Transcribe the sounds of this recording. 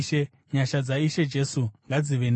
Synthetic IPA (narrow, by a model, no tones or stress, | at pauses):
ʃe | ɲaʃad͡zaiʃe̞d͡ʒe̞suŋɡad͡ziʋen